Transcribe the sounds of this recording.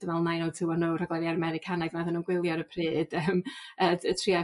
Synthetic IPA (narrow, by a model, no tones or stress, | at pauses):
d̥əvɛlˠnajnotʰɨwɔnowraɡlɛɾiaɾəmɛɾɪkʰanaðnaðənunɡwɪlˠjɔɾəpʰrɨːd̥əməətʰria